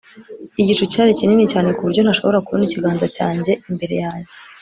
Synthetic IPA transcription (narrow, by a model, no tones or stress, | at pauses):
iɟit͡ʃucaːɾicininicaːne̞kuβuɾɟo̞n̥aʃo̞βo̞ɾakuβoniciɡaːnzacaːɲɟe̞imbe̞ɾe̞̰jaːɲɟe̞